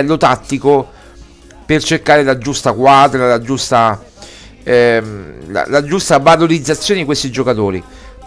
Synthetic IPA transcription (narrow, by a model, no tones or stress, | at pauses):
ɛlːot̪at̪ːiko | pert͡ʃerkaːɾelad͡ʒust̪akwaːd̪ɾalad͡ʒust̪a | la̰lad͡ʒust̪avaloɾid̪zat̪sːjoːned̪ikwest̪id͡ʒokat̪oːɾḭ